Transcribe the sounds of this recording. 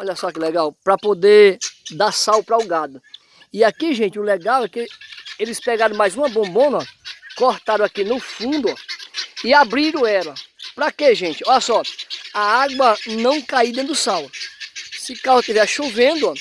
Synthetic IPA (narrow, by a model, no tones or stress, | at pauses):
ɔʎɐsɔakilɛɡawpɾɐpod̪ed̪aɾsawpɾaʊɡad̪ʊ | ɪakiʒẽnt͡ʃɪʊlɛɡawɛkɪelɪspɛɡaɾɐ̃w̃majzũɐbõbõnɐkoɾt̪aɾɐ̃w̃akinʊfũnd̪ʊɔɪabɾiɾʊ̃ɛlɐpɾakeʒẽnt͡ʃɪɔʎɐsɔaaɡwɐnɐ̃w̃kaid̪ẽt̪dʊsaw | sɪkaɐt̪ivɛsʃuvẽd̪ʊa